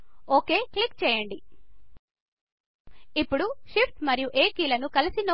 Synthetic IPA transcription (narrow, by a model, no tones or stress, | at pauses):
oːke̞ːklikt͡ʃɛːjɐɳɖi | ipːuɽuʃipʈmɐɾijuʔeːkiːlɐnukɐlisino